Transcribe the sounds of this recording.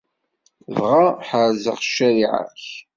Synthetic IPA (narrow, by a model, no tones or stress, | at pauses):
vʁaħaɾzə̰ʁʃːæɾiʕa̰ç